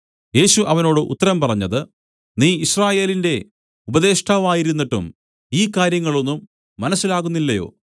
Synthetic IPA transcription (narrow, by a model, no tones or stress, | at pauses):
je̞ːɕuʔɐʋɐno̞ːɽɨʔṵt̪ːɐɾɐmpɐrɐɲːɐðɨ | niːiɕraːje̞ːlinde̞ | ubɐðe̞ːʂʈʰaːʋaːjiɾunːiʈːṵm | iːkaːɾjɐŋːɐɭo̞nːumː | ɐnɐsːilaːɣunːilːɐjo̞̰ː